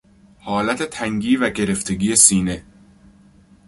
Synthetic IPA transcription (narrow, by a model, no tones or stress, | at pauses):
hɒːlæt̪ʰe̞t̪ʰæŋɡiːvæɟe̞ɾe̞ft̪ʰe̞ɡiːesiːne̞